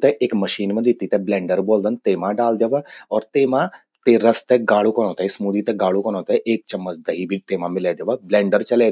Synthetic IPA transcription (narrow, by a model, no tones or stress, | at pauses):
t̪eʔeːkməʃiːnməd̪ʱit̪it̪eblɛ̃ːɳɖəɾboːld̪ənt̪emãɖaːld̪jɐʋaɔːɾt̪emã | t̪eɾɐst̪eɡaːɭukɐɽõːt̪əismud̪it̪eɡaːɽukəɳ̃owt̪eʔeːk̚t͡ʃɐmːət͡sd̪ɐɦibʱiːt̪em̤ãmɪlaːd̪eʋəblɛ̃ːɳɖəɾt͡ʃɐle